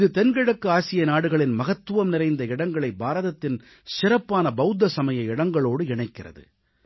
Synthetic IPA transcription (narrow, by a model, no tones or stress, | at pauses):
ɪðɯt̪ɛnɡɪɻɐkːɯaːsɪjɐnaːɽɯɣɐɭɪnmɐɣɐt̪ːɯʋɐmnɪrɐɪnd̪ɐɪɽɐŋɡɐɭɐɪbaːɾɐðɐt̪ːɪn | sɪɾɐpːaːnɐbɐɯd̪ːɐsɐmɐjɐɪɽɐŋɡɐɭoːɽɯɪɳɐɪkːɪrɐ̰ðɯ̰